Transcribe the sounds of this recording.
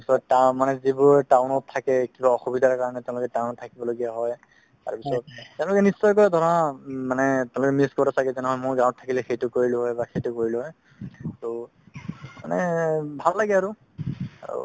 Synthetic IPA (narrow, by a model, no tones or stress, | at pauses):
pi̥sɔtːamanɛzibɔɹtaʊnɔttʰːakɛkibaɔxubidʱaɹkaɹɔnɛtɛ̃ʊ̃lʊkɛtaʊnɔtʰːakibɔloɡijaɦɔj | ta̰ɹpisɔt̚tːɛʊ̃lʊkɛnisːɔjkɔjdʱɔɹɔnamanɛtɛʊ̃lʊkɛmiskɔɹasaɡɛzɛnɛɦɔjmojɡãwɔt̚tʰːakilɛxejtʊkoɹilʊɦɔjbaxejtʊkoɹilʊɦɔj | to | ma̰nɛbʱalːaɡɛaɹʊ | a̰ɹṵ